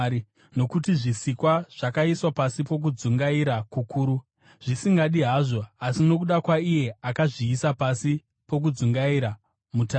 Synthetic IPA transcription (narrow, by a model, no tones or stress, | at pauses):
no̞kutiʐisikwaʐ̥akaiswapasipo̞k̬ud͡zuŋɡaiɾakukuːɾu | ʐ̥isiŋɡaɗiɦaʐo̞asino̞kuɗakwaije̞akaʐiːsapasi | po̞k̬ud͡zuŋɡaiɾa | muta